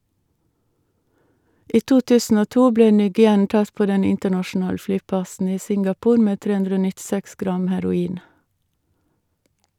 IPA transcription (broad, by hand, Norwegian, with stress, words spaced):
ˈiː ˈtuː ˈtʉːsn̩ ˈoː ˈtuː ˈbleː ˈnyːɡɪˌɛn ˈtɑt ˈpoː ˈdɛn ˈɪntəɳɑʃn̩ˌɑːl ˈflyːˌpɑsn̩ ˈiː ˈsɪŋɡɑˌpuːɾ ˈmeː ˈtɾeː ˈʉndɾə ˈoː nɪtˈsɛks ˈɡɾɑm hæɾʊˈiːn